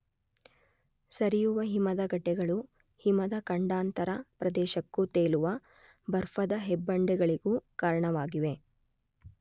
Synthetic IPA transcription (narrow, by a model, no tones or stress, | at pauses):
sɐɾijuʋɐɦimɐd̪ɐɡɐʈːɛɡɐɭu | himɐd̪ɐkɐɳɖaːnt̪ɐɾɐpɾɐd̪ɛːʃɐkːut̪eːluʋɐ | bɐɾfɐd̪ɐɦɛbːɐɳɖɛɡɐɭiɡukaːɾɐɳɐʋaːɡiʋe̞